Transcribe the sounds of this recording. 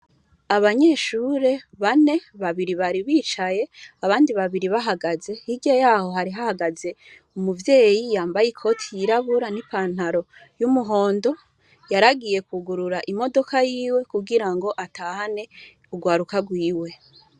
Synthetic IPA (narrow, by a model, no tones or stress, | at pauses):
aβaɲe̞ːʃuɾe̞βane̞βaβiɾiβaɾiβiːt͡ʃaje̞aβaːndiβaβiɾiβaɦaɡaze̞hiɡejaːho̞ɦaɾiɦahaɡaze̞ | umuvje̞ːjijaːmbajikʰo̞ːtʰijiɾaβuɾanipaːn̥haɾo̞ | jumuɦo̞ːndo̞ | jaɾaɡije̞kuɡuɾuɾaʔimo̞do̞kajiːwe̞kuɡiɾaŋɡo̞ʔatahane̞ | uɡwaːɾukaɡwiːwe̞